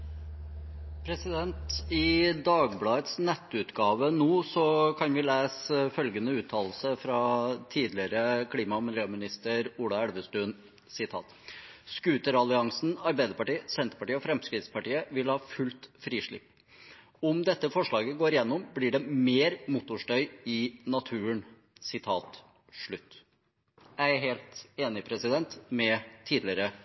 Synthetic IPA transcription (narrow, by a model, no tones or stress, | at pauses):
pʰɾɛsɪd̪ɛnt̪ɪd̪ɑːɡblɑːət̪snɛt̪ːʉːt̪ɡɑːʋənuːsɔkʰɑnʋɪleːsfœlɡənəʉːt̪ʰɑːll̩səfɾɑt̪ʰiːd̪lɪəɾəkʰɽiːmɑmɪljøːmɪnɪst̪əɾuːlɑæɽʋəst̪ʉːn | sɪt̪ʰɑ̰ːt̪ | skʉːt̪əɾɑlɪɑŋsn̩ɑɾbæɪd̪əɾpɑʈiːəsɛnt̪əɾpɑʈiːəɔfɾɛmskɾɪːd̪spɑʈiːəʋɪlhɑːfʉlt̪fɾiːʂɭɪ̰pː | ɔmd̪ɛt̪ːəfɔʂɭɑːɡəɡoːɾjɛnːɔmblɪɖɛmeːɾmʊt̪ʊʂʈœʏɪnɑt̪ʰʉːəɳ | sɪt̪ʰɑːt̪ | ʂɭʉt̪ː | jæɪæɾɦeːlt̪eːnɪpʰɾɛsɪd̪ɛnt̪mɛt̪ʰiːd̪lɪəɾə